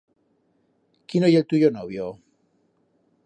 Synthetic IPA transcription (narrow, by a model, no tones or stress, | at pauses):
kinojelt̪uʝonoβjo